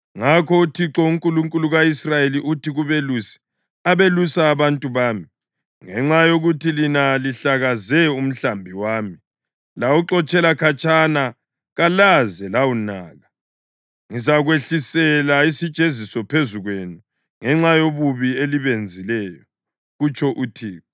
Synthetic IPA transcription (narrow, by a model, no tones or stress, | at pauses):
ŋakʰɔutʰiǁɔuŋkʼuluŋkʼuluɣaisrajeliʔutiɣuβelusɛ̥ | aβelusaːβantʼuβaːmi | ŋɛŋ͡ǁajoɣutʰilinaliɬaɣazɛum̩ɬambʱiwaːmi | lawuǁɔt͡ʃʼɛlakʰat͡ʃʼana | ɣalazɛlawunaːɣa | ŋizaɣweɬisɛlaisi̥t͡ʃʼezisɔpʰezuɣwenu | ŋɛŋ͡ǁajoβuβieliβend͡zʱilɛːjɔ | ɣut͡ʃʰʼɔʔutʰiːɔ